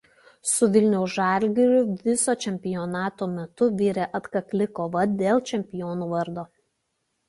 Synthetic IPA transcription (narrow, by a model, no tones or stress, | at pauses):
sʊʋʲɪlʲnʲɛʊsʒɑlʲɡʲɪɾʲʊʋʲɪsoːt͡ʃʲɛmʲpʲɪjɔnɑːt̪oːmʲɛt̪ʊʋʲiːɾʲɛʔɐt̪kɐklʲɪkoːʋɐd̪ʲeːlˠt͡ʃʲɛmʲpʲɪjɔːnuːʋɐɾd̪oː